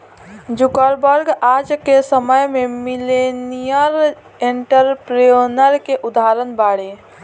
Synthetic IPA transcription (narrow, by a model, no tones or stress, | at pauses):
d͡ʒukəɾbəɾɡad͡ʒkesəməjmemilenijəɾ | eɳʈəɾpɾonəɾkeʔud̪aɾənbaɽe